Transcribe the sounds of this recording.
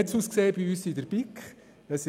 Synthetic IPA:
ɛtsuːskseːb̥iyːsidəɾbikχ | d̥ɑs

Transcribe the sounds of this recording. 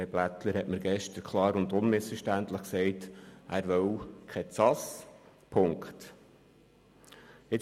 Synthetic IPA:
eb̥læt̪ləɾhɛtməɾɡ̥ɛʃtəɾkʰlɑːɾʊnd̪ʊnmɪsfəɾʃtænt̪ləχksɛɪtʔæːɾʋœwkʰɛt͡sɑs | pʰʊŋkχt | ɪ

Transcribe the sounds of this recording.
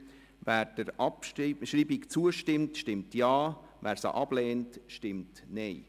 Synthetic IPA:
væːɾd̥əɾɑpʃɾiːbikt͡suəʃtɪmtʃtɪmtjɑː | væːɾsa̰ʔɑb̥lɛːntʃtɪmtneɪ

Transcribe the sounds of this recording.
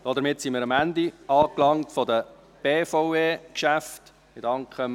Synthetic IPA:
d̥ɔːdəɾmɪtsimiːɾɑmændiɑːklɑŋtfɔdə | b̥eːfɔʊeːkʃæft | ɪdɑŋkʰχə

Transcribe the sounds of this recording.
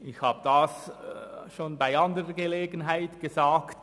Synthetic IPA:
ɪçhaːbəd̥as | ʃoːnbaɪandəʁəɡəleːɡənɦaɪtɡ̥əzaːkt

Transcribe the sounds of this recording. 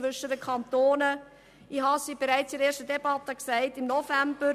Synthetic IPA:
ʋʏʃədəkʰɑntoːnə | ihɑsib̥eɾæɪt͡siɾeːʃtədɛb̥ɑtːəksæɪtɪmnɔfæmb̥ə

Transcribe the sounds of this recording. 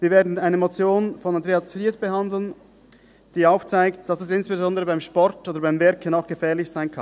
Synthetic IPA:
viːɐveːɐdn̩aɪnəmot͡sjoːnfɔnandʁeat͡sitb̥əhandl̩n | d̥iːaʊft͡saɪktd̥ɑsɛsɪnsb̥ezɔndəʁəbaɪmʃpɔɾtʔoːdɐbaɪmvɛɐkənaʊxɡ̥əfɛːɐlɪçz̥aɪnkʰann

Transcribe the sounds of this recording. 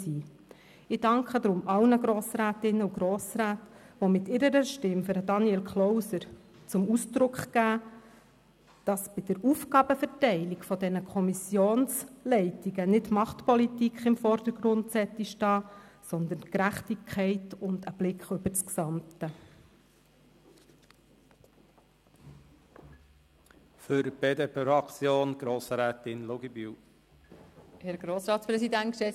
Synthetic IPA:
siː | ɪd̥ɑŋkʰəd̪ɾʊmʔɑlnəɡɾoːsɾæːtɪnːəuɡ̥ɾoːsɾæːtʋɔmɪtɪɾəɾəʃtɪmføɾədɑniɛlkχlɔwsəɾ | t͡sʊmusdɾʊkχɡæː | d̥ɑsb̥ɪd̥əɾuːfɡ̥ɑːb̥əfɛɾtɛɪlikfɔdɛnəkʰχɔmisjoːnslɛɪtiɡənɪtmɑχtpɔlitikχɪmfɔɾd̥əɾɡ̥ɾʊntsɛt̪ːiʃtɑːsɔnd̪ənkɾæχtikʰχɛɪtʊnd̥əb̥lɪkχʏbət͡sksɑmt̪ə | føɾb̥eːd̪eːpʰeɾɑkt͡sjoːnɡ̥ɾoːsɾɛːt̪ɪnloɡiby | hɛɾɡɾoːsɾɑːt̪spɾɛsid̪æntʃɛ

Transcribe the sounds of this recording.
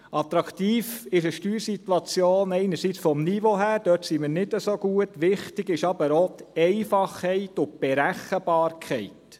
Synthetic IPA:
ʔɑt̪ɾɑkt̪iːfɪʃəʃtyːɾsitwɑt͡sjoːnɛɪnəɾsit͡sfɔmnivoɦæːɾd̥œtsimɪːɾnɪdəsoɡuətʋɪχtɪɡɪʃɑbəɾɔtɛɪfɑχhɛɪtʊb̥ɛɾæχəbɑːɾkʰɛɪt

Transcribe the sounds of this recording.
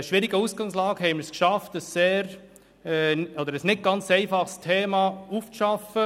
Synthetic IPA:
ʃʋɪɾiɡəusɡ̥ɑŋslɑːɡ̥əhɛɪmɪɾskʃɑftəsːeːɾ | ɛɔd̪əɾəsnɪt̚ɡ̥ɑnt͡seɪfɑχstʰeːmɑːuft͡sʃɑfə

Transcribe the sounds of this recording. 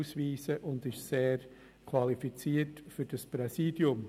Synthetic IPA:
usʋiːsəʔʊndɪʃseːɾ | kʰwɑlifit͡siːətfyɾd̥ɑspɾɛsiːd̥jʊm

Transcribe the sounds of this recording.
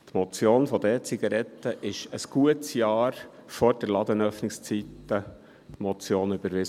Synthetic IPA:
t̪mɔt͡sjoːnfɔd̪ɛːt͡siɡɑɾɛt̪ːəʔɪʃəsɡ̥uətsjɑːɾfɔɾdɛɾlɑd̪ənœfnɪkst͡sit̪ːə | mɔt͡sjoːnybəɾʋɪs

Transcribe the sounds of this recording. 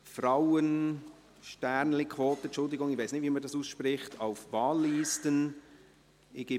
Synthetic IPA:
fraʊən | ʃtæɾnlɪkʰʋoːtəɛt͡ʃʊldɪɡʊŋɪv̥ʋaɪsnɪtʋimədɑsuːsʃpɾɪχtʰaʊfvɑːlːiːstən | ɪɡ̥ɪ

